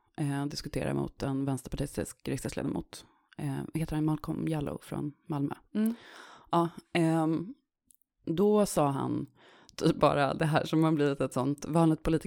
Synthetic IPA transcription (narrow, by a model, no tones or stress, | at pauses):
d̪ɪskɵt̪ʰeːɾa̰mʊ̰t̪ɛnvɛnst̪əɾpaʈʰɪst̪ɪskɾɪkst̪ɛslḛːd̪amuːt̪ | heːt̪əɾhanmalkʰɔmjalʊ̰fɾɔ̰nmalmœ̰ | ʔɑː | d̪ɔsɑːɦa̰n | t̪ʰyːp̚bɑ̰ːɾad̪ɛɦæːʂɔmhabliːvɪt̪ɛt̪sɔnt̪vɑːnlɪɡ̚t̪pʰʊliːt̪